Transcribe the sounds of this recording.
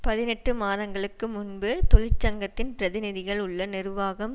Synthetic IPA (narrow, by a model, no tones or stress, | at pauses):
pɐðɪnɛʈːɯmaːðɐŋɡɐɭɯkːɯmʊnbɯt̪ɔɭɪt͡ʃːɐŋɡɐt̪ːɪnpɪɾɐðɪnɪðɪɣɐɭʊɭːɐnɪrʋaːɣɐm